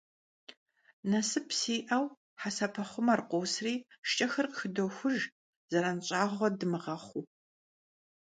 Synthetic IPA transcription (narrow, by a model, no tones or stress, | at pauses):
nɐsɨpsiːʔɐw | ħasɐpʰɐχʷʊmɐrqʷowsriːʃt͡ʃʼɐxɐrqxɨdoxʷʊʒ | zɐɾɐnɕʼaːʁʷɔdɨmɨʁɐχʷuː